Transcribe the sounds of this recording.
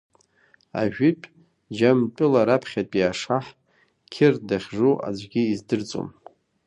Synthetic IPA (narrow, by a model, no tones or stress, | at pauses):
a̰ʒᶣʏpʼ | d͡ʒampʼʊlaɾapʰχʲatʼiaʂaħ | kʲʰɪrdaχʲʐuʔa̰d͡ʒʷɡʲiːzdɨrt͡sʼo̰m